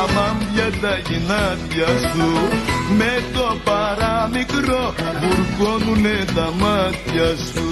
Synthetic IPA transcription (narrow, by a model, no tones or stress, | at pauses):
amambjad̪ainat̪jasumet̪ɔbaɾamikɾɔbuɾkonuned̪amat̪jasu